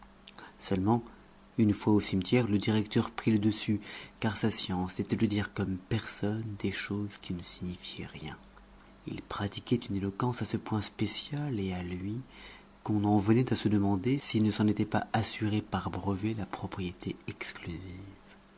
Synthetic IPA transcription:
sœlmɑ̃ | ynfwaosimt̪jɛʁləd̪iʁɛkt̪œʁpχiləd̪əsykaʁsasjɑ̃sːet̪ɛd̪əd̪iʁkɔmpɛʁsɔnd̪eʃozkʲinəsiɲifjɛʁjɛ̰̃ | ḭlpχat̪ikʲɛt̪ynelɔkɑ̃sasəpwɛ̃spesjalealɥi | kɔ̃nɑ̃vənɛt̪asəd̪əmɑ̃d̪esilnəsɑ̃net̪ɛpa̰ʔasyʁepaʁbʁəvelapχɔpχijet̪ʰeɛksklyziv

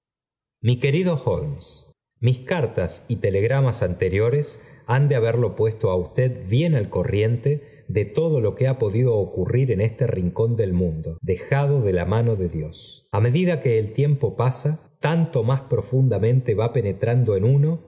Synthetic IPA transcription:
mike̞ɾið̞o̞xolms | miskaɾt̪asit̪e̞le̞ɣ̞ɾamasant̪e̞ɾjo̞ɾesand̪eaβeɾlo̞pwe̞st̪o̞aust̪eðβje̞nalko̞rje̞nt̪e | ðet̪o̞ð̞o̞lo̞keapo̞ðiðo̞ːkuriɾe̞ne̞st̪eriŋko̞nd̪e̞lmũnd̪o̞d̪e̞xaðo̞ðelamano̞ðe̞ðjo̞same̞ðiðakeːlt̪je̞mpo̞pasat̪ant̪o̞maspɾo̞fund̪amẽ̞nt̪e̞βape̞ne̞t̪ɾand̪oenuno̞

